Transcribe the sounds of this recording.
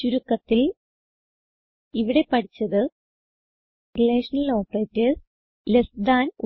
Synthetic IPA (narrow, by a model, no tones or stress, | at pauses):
t͡ɕuɾukːɐt̪ːil | iʋiɽe̞pɐʈit͡ɕːɐðɨ | rileːʂɐnɐlo̞ːpreːtːɨ | lesd̪aːnu